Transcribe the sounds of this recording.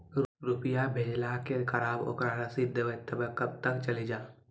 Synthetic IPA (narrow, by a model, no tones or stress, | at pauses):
ɾupɪjabʱeːlakekʰɐɾaːbo̰ːkɾaːɾasɪd̪ʱːəʋet̪əbkɐb̚t̪əkt͡ʃɐlid͡ʒaː